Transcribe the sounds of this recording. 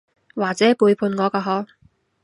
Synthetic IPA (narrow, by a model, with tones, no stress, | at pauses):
waː˨˩t͡sɛː˨˥puː˨˧jpʰuː˧nŋɔː˨˧kaː˧ɦɔː˨˥